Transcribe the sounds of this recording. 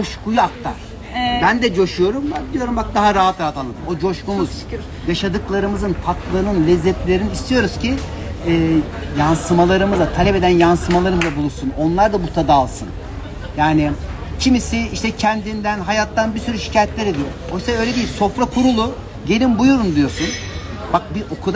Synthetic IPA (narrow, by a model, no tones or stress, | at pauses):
oʃkujak̚t̪ːa̰ | bænd̪ɛd͡ʒo̞ʃujo̞ɾumaid̪ijo̞ɾumbak̚d̪aɦaɾaɦat̪aat̪alˠad̪ɯmo̞d͡ʒo̞ʃkumuz̥ | jaʃad̪ɯklˠaɾɯmɯzɯnfʰaklˠanɯnlʲɛzːɛt̪lʲe̞ɾiniist̪ʰijo̞ɾuz̥cʰi | ɛːjansɯmalˠaɾɯmɯzat̪ʰalʲɛpe̞d̪ænjansɯmalˠaɾzd̪abulˠusuno̞nlˠaɾd̪abut̪ʰad̪aːlˠsɯn | jaːnɪ | cʰimisɪiʃt̪ɛcʰɛnd̪ind̪ænɦajat̪ːanbiɾsyɾyʃi̥cʰaːjɛt̪lʲeɾɛd̪ijoɾumo̞jsaø̞jlʲed̪ijilʲso̞fɾakʰuɾulˠu | ɟe̞lʲinbujuɾumd̪ijo̞ɾsun | bak̚biʔokʰud̪